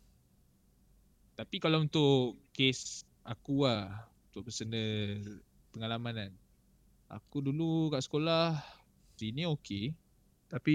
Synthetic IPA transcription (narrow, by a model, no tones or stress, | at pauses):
t̪apikalaunt̪ʊʔkes | ʔakuaunt̪ʊʔpəsənə | pəŋalamanan | a̰kudulukaʔsə̥kolah | sinĩoke | t̪api